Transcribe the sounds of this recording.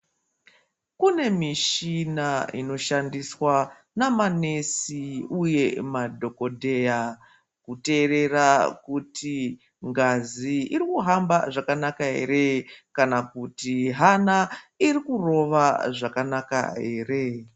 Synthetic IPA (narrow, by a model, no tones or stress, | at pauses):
kune̞miʃinaino̞ʃandiswa | namane̞siuje̞madʱo̞ko̞dʱeja | kute̞re̞rakuti | ŋɡaziiɾikuɦambaʐakanakaɦe̞̰ɾe̞kanakutiɦanairikuro̞ʋaʐakanaka̰ɦe̞ːre̞